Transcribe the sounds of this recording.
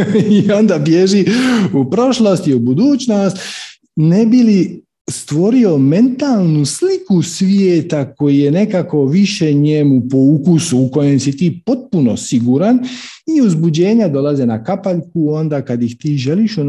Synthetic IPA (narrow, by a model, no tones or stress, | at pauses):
io̞nd̪abjeʒiupɾo̞ʃlost̪iubud̪uːt͡ɕno̞st̪ | ne̞bili | st̪ʋo̞ɾio̞me̞nt̪alˠnuslikusʋjeːt̪ako̞jije̞ne̞kako̞ʋiʃe̞ɲemupoukusuːko̞jemsit̪iːpo̞t̪̚puno̞̰siɡuɾaniuzbud͡ʑe̞ːɲad̪o̞lazenakapaʎkuo̞nd̪akad̪jixt̪iːʒe̞liʃu